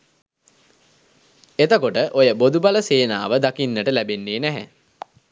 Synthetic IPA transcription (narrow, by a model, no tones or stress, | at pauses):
et̪əkoʈəʔojəbod̪ubaləseːnaːʋəd̪akinːəʈəlæbenːeːnæɦæ̰